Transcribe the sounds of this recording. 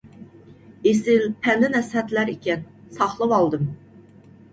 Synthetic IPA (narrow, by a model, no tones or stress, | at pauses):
esɪlpʰɛnlɪnɛshɛt̪læɾikʲɛnsɑχlˠɨvɑlˠd̪ɨm